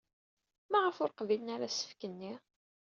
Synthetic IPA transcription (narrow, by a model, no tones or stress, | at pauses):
mæʁəfʊɾqvilənaɾæsə̥fkənːi